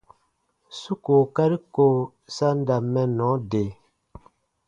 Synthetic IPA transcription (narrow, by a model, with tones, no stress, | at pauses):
su˦ko˨ka˦ɾi˦ko˦˨ | sa˦n˦da˨mɛ˦nɔ˨˦de˨